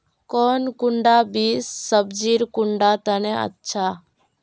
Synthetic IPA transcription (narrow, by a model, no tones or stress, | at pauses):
kɔnkuɳɖabiːsːəbd͡ʒiɾkʊɳɖat̪ənɛə̰tːʃʰa